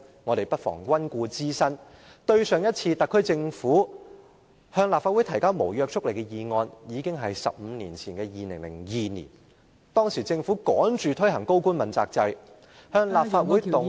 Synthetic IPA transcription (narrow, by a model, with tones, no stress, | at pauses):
ŋɔː˨˧t̪e˨˩jpɐ˥t̚fɔ̰ː˨˩ŋkʷɐ˥nkʷuː˧t͡siː˥sɐ˥n | t̪ɵ˧ɥsœː˨˧ŋjɐ˥t̚t͡sʰiː˧t̪ɐ˨kʰːɵ˥ɥt͡sɪ˧ŋfuː˨˥ | hœː˧ŋlaː˨pfa˧t̚u˨˥jt̪ʰɐ˨˩jkaː˥wmo˨˩wjœː˧k̚t͡ʃʰʊ˥k̚le˨˩kɛ˧jiː˨ŋɔː˧njiː˨˧kɪ˥ŋɦɐ˨jsɐ̰˨p̚m̩ː˨˧niː˨˩nt͡sʰiː˨˩nkɛː˧jiː˨nɪ˨˩ŋlɪ̰˨˩ŋjiː˨nḭː˨˩n | t̪ɔː˥ŋsiː˨˩t͡sɪ˧ŋfuː˨˥kɔː˨˥nt͡ʃyː˨˩t̪ʰɵ˥jɦɐ˨˩ŋko˥wkuː˥nmɐ˨nt͡sa̰ː˧k̚t͡sɐ˧j | hœː˧ŋlaː˨p̚faː˧t̚wuː˨˥j